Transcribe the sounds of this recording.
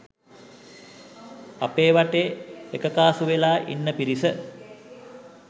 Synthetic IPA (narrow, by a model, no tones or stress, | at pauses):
a̰peːʋaʈeekəkaːsuʋelaːʔḭnːəpiɾisə